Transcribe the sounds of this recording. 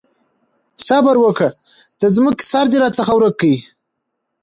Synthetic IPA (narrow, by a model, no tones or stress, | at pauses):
sabaɾwəkad̪̥əzməki̥sɑɾd̪iɾɑt͡səxawɾək̚ːaji